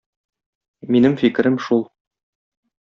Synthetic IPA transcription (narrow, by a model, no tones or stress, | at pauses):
minɘmfik̆ɾɘmʃulˠ